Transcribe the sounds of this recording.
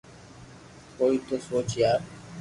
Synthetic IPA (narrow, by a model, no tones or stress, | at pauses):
koːiːt̪oːsoːt͡ʃɪjaː